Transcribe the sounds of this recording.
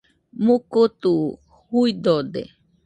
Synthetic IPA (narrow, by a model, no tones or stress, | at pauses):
mukut̪u | huid̪od̪ḛ